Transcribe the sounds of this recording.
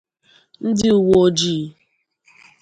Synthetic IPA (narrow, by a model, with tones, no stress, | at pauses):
n̩˦dɪ˦u˨wo˦o˦d͡ʒi˦˨˦